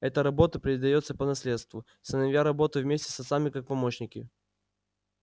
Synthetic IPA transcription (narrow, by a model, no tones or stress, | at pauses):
ɛt̪əɾɐbo̞t̪əpɾʲɪd̪ɐjo̞t̪səpənɐsʲlʲe̞t̪st̪vʊ | sənɐvʲjaɾɐbo̞t̪ʊvmʲesʲtʲɪ̥sɐt̪samʲɪkak̚pɐmoɕnʲɪkʲɪ